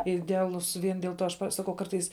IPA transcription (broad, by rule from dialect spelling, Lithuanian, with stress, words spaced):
ɪdʲɛɐˈlˠʊs ˈʋʲiɛn dʲiɛlˠ ˈtoː ɐʃ ˈpɐ ˈsɑːkɐʊ ˈkɐrtɐɪs